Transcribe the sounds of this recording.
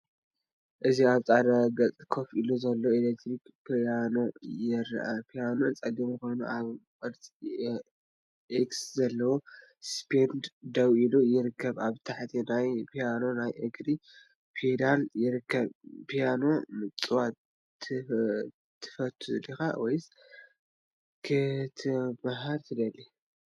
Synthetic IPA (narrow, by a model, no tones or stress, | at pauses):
ʔɨziaβt͡sʼad̪aɡɐt͡sʼkʰo̞filuzɐlːoelekt̪ʰɾikpʰjano̞jɪɾ̰ʔa̰pʰijanont͡sʼɐɡɐmɨxo̞jnuʔaβkʼɐɾt͡sʼi | ʔekszɐlːɐwo | spʰend̪d̪ɐwʔilujɪɾɨkːɐβaβt̪ʰaħt̪ʰinajpʰijano̞najʔɨɡɾi | pʰed̪aljɪɾɨkʰːɐβpʰijano̞mɨt͡sʼwa | t̪ʰɨ | t̪ʰːɨ̥fɐt̪ʰːulixa̰wɔjs | kʰɨt̪ʰɨmaɦaɾt̪ʰɨd̪ɐlːi